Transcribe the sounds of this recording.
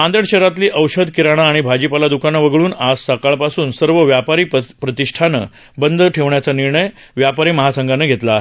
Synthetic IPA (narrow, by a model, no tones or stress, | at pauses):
ãnd̪əɽɕeɾat̪liːʔəwɕəd̪kiɾaɽ̃aːɽ̃ibʱad͡ʑipalad̪ukanaʋəɡɭuːnasːəkaɭpasuːnsəɾʋəʋjapaɾiːppɾət̪iʂʈʰanə̰ | bənd̪əʈʰeʋɳjat͡saniɾɳəj | ʋjapaɾiːməɦasəŋɡʱanəɡʱet̪laːɦe